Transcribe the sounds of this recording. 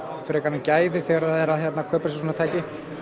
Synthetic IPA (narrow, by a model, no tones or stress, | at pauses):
fɪɾɪkanːacaːjðɪθɛɣaɾaðɛɾaðçjɛt̪nakʰœːpɾss̬unat̪ʰaːjcɪ